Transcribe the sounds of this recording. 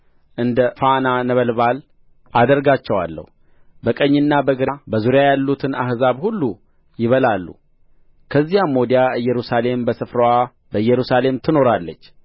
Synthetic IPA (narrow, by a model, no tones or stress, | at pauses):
ʔɨnd̪əfananəβəlβal | ʔad̪əɾɡat͡ʃːɛwa̰lːə̰hu | bəkʼəɲːɨnːabəɡɨɾabəzuɾjajalːut̪ʰɨna̰hzaβhulːu | jɪβəlalːṵ | kʰəzːijamːod̪ijaɨjːɛɾusale̞mbəsɨfɾəwa | bəɨjːɛɾusale̞mt̪ʰɨno̞ɾalːət͡ʃː